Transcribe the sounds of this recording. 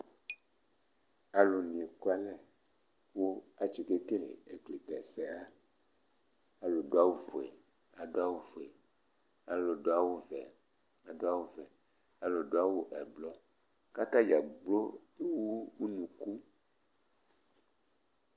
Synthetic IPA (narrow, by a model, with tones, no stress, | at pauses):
a˨lo˨nĩ˨e˨ka˦lɛ˨ | wo˦a˨t͡ʃi˨ke˦ke˦lḛ˨e˨k͡ple˨t̪ɛ˨sɛ˨a˦ | a˨lo˨ɖo˦a˦wo˦vo˨ḛ˨ | a˨do˦a˦wo˦vo˨e˨ | a˨lo˨ɖa˦wo˦vɛ̰˨ | a˨do˦a˦wo˦vɛ˨ | a˨lo˨ɖo˦a˦wo˦ʔɛ˨blɔ˦ | ka˦t̪ã˦d͡ʒa˨ɡ͡blo˦ | e˦wo˦u˦nũ˨ku˦